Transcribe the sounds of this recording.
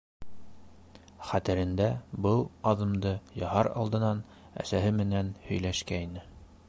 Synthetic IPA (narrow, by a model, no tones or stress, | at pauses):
χæt̪ɘ̆ɾɘ̆nd̪æbɤlˠɑðɤ̆md̪ɤjɑhɑɾɑ̰lˠd̪ɤ̆nɑn | æ̰sæɦɘmɘ̆nænhɵ̆jlæʃkæinɘ